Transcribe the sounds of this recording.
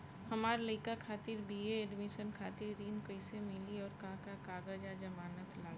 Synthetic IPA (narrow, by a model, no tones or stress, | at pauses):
hɐmaːɾləɪkakʰaːt̪ɪɾbieɛːɖmɪʃənkʰaːt̪ɪɾɾiːnkəɪsemɪliɔːɾkãːkakaːɡəd͡ʒad͡ʒɐmaːnət̪laːɡ